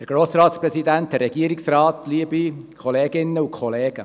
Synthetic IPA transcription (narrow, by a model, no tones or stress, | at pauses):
əɾɡ̥ɾoːsɾɑːt̪sprɛsid̪ænt̪̚əɾːɛɡ̥iəɾiksrɾɑːt̪liəbikʰɔleːɡɪnːəukʰχɔleːɡ̥ə